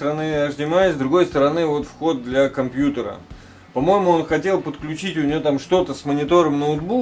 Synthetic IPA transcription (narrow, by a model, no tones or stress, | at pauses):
əɾɐnɨɐʐdʲɪmajɪzʲd̪ɾʊɡo̞jst̪əɾɐnɨvo̞t̪fxo̞d̪̚d̪lʲɐkɐmpʲjut̪əɾə̰ | pɐmo̞jɪmʊo̞nxɐtʲe̞lˠpət̪klʲʉt͡ɕitʲʊnʲɪvo̞t̪amʂt̪o̞t̪əsmənʲɪt̪o̞ɾəmnəʊd̪bu